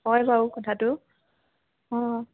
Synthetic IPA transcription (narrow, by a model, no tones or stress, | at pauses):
ɔjbaukɔtʰatʊ | ɔ̃